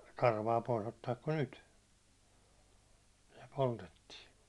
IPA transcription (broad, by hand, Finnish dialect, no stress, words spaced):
kɑrʋɑː pois otːɑːk kun nyt se poltetːiː